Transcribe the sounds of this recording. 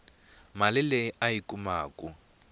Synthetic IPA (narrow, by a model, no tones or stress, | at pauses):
malɪlɛajikʼumaːkʼu